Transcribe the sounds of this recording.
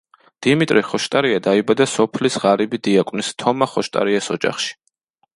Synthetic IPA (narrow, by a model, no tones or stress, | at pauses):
d̪̥imit̪ʼɾiχɔʃt̪ʼaɾiad̪aibad̪asɔpʰlisʁaɾibid̪iakʼwnist̪ʰɔmaχɔʃt̪ʼa̰ɾiɛsɔd͡ʒa̰χʃi̥